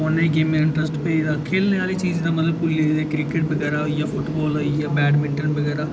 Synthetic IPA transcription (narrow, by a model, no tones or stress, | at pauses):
onẽːɡeːmɪɳʈɾəsʈpeːid̪aːkʰeːlneaːliːt͡ʃiːd͡ʒd̪aːmət̪ləb̚kʊlːeːid̪aːkɾɪkeʈ̚bəɡɛːɾaːɦoijaːpʰʊʈbɔːloijaːbɛːɖmɪʈənbəɡɛːɾaː